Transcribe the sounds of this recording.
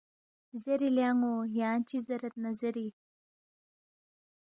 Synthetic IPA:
zeɾiljaːŋojaːnt͡ɕizɐɾɐt̪̚nɐzɐɾi

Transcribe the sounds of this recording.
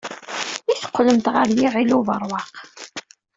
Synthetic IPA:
iθə̥qʷːləmt̪ʁəɾliʁiluvəɾˤwɑq

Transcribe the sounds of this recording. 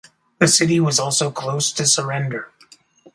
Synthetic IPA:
ðɨsɪɾiwʌzɔlˠsoʊkʰl̥oʊstʰɨsə˞ɛ̃ndə˞

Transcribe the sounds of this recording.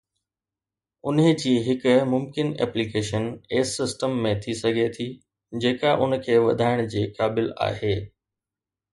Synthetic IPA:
ʊnɦd͡ʑiːɦɪkʊmʊmkɪnɛ̰ːplikeːʃəneːsːɪsʈəmːẽt̪ʰisɐɡʱet̪ʰi | d͡ʑeːkaʔʊn̆kʰeːʋɐ̰d̪ʱaːɪɽ̃d͡ʑiːkaːbɪla̰ːɦeː

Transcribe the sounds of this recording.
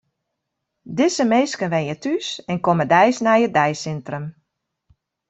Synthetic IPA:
dɪsəmejskənʋɛjətysɛnkomədɛjsnajədɛjsɪntrəm

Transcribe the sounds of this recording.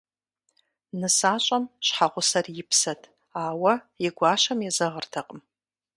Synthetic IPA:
nɨsat͡ʃʷʼamʃħaʁʷʊsarjɪpʰsatʼ | aːwa | iɡʷaʃamjazɨʁərtʰaqʼəm

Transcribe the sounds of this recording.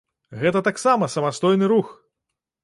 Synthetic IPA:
ɣɛt̪ɐt̪aksamɐsɐmast̪ɔjnɨɾux

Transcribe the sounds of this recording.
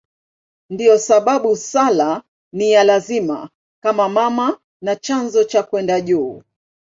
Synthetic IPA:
ndijɔsaɓaɓusala | nijalazima̰ | kamamama | nat͡ʃanzɔt͡ʃakwɛndaʄuː

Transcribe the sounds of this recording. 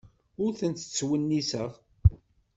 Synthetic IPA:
ʊɾθənt̪ət͡sːwənːisəʁ

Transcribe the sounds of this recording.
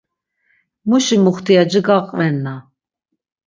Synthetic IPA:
muʃimuχt̪ʰiad͡ʒiɡaqʼvɛnːa

